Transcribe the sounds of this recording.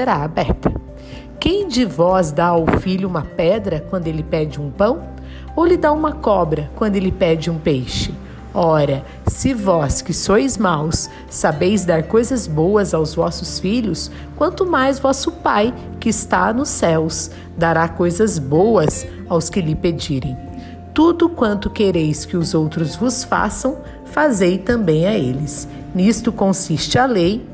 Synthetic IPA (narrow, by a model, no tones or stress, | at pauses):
seɾaabɛɾt̪ɐ | kẽj̃d͡ʒɪvɔzd̪aawfiʎʊũmɐpɛd̪ɾɐkwɐ̃nd̪ʊelɪpɛd͡ʒɪũpɐ̃w̃ | owlɪd̪aũmɐkɔbɾɐkwɐ̃nd̪ʊelɪpɛd͡ʒɪũpejʃɪ | ɔɾɐ | sɪvɔskɪsojzmawsː | abejzd̪aɾkojzɐzbowɐzawzvɔsʊsfiʎʊs | kwɐ̃nt̪ʊmajzvɔsʊpaj | kɪɪst̪a̰nʊsɛws | d̪aɾakojzɐzbowɐs | awskɪlɪped͡ʒiɾẽj̃ | t̪ud̪ʊkwɐ̃nt̪ʊkeɾejskɪʊzowt̪ɾʊzvʊsfa̰sɐ̃w̃ | fazejt̪ɐ̃mbẽj̃aelɪs | nist̪ʊkõsist͡ʃɪalej